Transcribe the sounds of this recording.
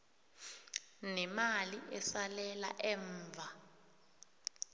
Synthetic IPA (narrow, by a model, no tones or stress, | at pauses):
nɛmaliʔɛsalɛla̰ʔɛːɱːvʱa